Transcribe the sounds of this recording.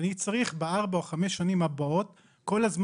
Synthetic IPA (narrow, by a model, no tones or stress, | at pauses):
nit͡saʁiχbeaʁbaoχameʃanimabaot̪ | ko̞lazm